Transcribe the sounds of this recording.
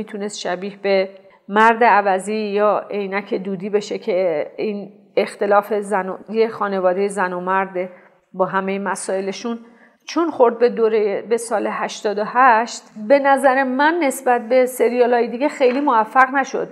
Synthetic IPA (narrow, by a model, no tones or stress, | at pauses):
iːt̪ʰunest̪ʃæbiːhbe̞ | mæɾd̪eævæziːjɒːe̞jnæcʰe̞d̪uːd̪iːbe̞ʃecʰeiːn | ext̪e̞lɒːfe̞zænojexɒːne̞vɒːd̪e̞jezænomæɾd̪ | bɒːɦæme̞jemæsɒːe̞le̞ʃun | t͡ʃʰonxoɾd̪̚bed̪oːɾebe̞sɒːle̞hæʃt̪ɒːd̪ohæʃt̪be̞næzæɾe̞mænːe̞sbæt̪̚ʰbe̞se̞ɾijɑlɒːjed̪iːɟexejliːmovæfːæɣnæʃo̞̰d̪̥